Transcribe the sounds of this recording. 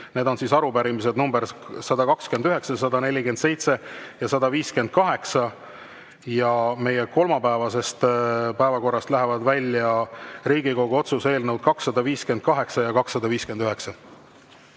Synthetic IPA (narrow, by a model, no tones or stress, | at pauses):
ne̞ːd̪o̞nsiːsɑɾubæɾimis̬ed̪numbeɾsɑd̪ɑkɑkske̞nd̪yɦe̞ksɑs̬ɑd̪ɑne̞lʲike̞nd̪se̞jt̪se̞jɑsɑd̪ɑviːske̞nd̪̥̚kɑɦe̞ksɑ | jɑme̞je̞ko̞lmɑpæevɑse̞st̪pæevɑko̞rːɑst̪læɦe̞vɑd̪vælʲjɑɾiːɡ̥iko̞ɡ̥uo̞t̪suse̞ːlnewd̪̥̚kɑksːɑd̪ɑviːske̞nd̪̥̚kɑɦe̞ksɑjɑkɑksːɑd̪ɑviːskenyɦeksɑ